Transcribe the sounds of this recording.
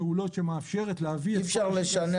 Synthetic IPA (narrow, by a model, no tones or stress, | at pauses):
eulo̞tʃemeafʃeʁetleavifʃaʁleʃane